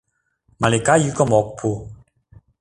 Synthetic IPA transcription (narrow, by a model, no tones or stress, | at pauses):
malekajyːkɔmɔk̚pʰu